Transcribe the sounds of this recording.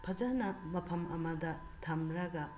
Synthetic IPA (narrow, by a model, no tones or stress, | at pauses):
pʰɐd͡ʒanɐmɐpʰɐmɐmɐdɐ | tʰɐmɾɐɡɐ